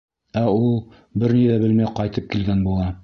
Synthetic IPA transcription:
æulˠ | bɘɾniðæbɘlmæjqɒjt̪ɤp̚kilɡænbulˠɑ

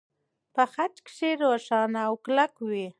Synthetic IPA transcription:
pəxat͡ʃkʃeɾowaʃɑnaːwklakwi

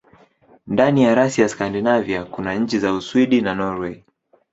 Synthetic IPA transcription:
ndanijaɾasiaskandinaviakunaɲ̩t͡ʃizauswiɗinanɔɾwɛ

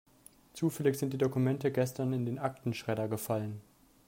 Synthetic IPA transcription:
t͡suːfɛlɪçz̥ɪntd̥iːdokumɛntəɡɛstɐnɪndeːnʔak̚tn̩ʃʁ̥ɛɾɐɡəfalən

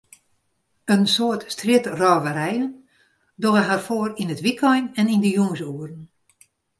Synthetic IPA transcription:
ənsoːərtstrɪtrɔːʋəɾɛjən | doəɦarfoərinətʋikʰɔjnɛnindəjuŋəsuərən

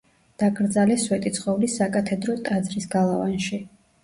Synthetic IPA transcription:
d̪̥aɡʼɾd̪zalɛswɛt̪ʼit̪sʰχɔvlisakʼat̪ʰɛd̪ɾɔt̪ʼad̪zɾisɡalˠavanʃi

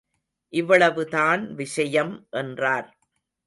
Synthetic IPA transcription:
ʔɪʋːɐɭɐʋɯt̪aːnʋɪʂɐjɐmʔɛndraːɾ

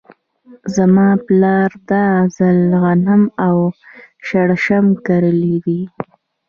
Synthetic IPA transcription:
zamɑplɑɾd̪azalɣanamawʃaɽaʃamkaɾəlid̪i

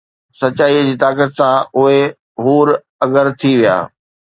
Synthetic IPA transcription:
sɐt͡ɕaːid͡ʑiːt̪aːkət̪sãʊɦe | ɦuːɾ | ɐɠəɾt̪ʰiʋija̰ː

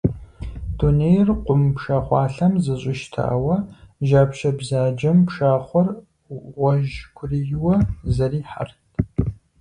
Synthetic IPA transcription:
d̥unejrqʷʊmpʂaːχʷɑːɬɐmzɨɕʼɪʃtʰa̰ːwɐʒaːpʃɐbzaːd͡ʒɐmpʂaːχʷɔr | ʁʷɔʒkʷʰʊrijɪwɐzɐriːħa̰rtʰ

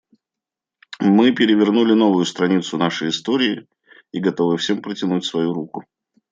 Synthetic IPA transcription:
mɨpʲɪɾʲɪvʲɪrnulʲɪno̞vʊjʊst̪ɾɐnʲit̪sʊnaʂəjɪst̪oɾʲɪː | iɡɐt̪o̞vɨfsʲe̞mpɾətʲɪnutʲsvɐjuɾukʊ

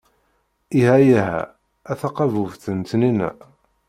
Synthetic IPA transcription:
ihæjæɦæ̰ | æθɑqɑvuvθənt̪ninæ̰

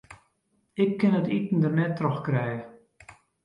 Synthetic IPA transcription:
ɪkːɪnətitn̩dərnɛtːrɔxkrɛjə

